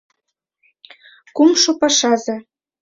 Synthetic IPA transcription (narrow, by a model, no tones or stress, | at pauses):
kumʃopɑʃɑzɤ̆